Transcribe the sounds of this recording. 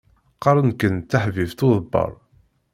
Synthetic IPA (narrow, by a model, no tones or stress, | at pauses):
qːɑɾˤənkənt̪ːaħvift̪ʊðˤəbːɑ̰ɾˤ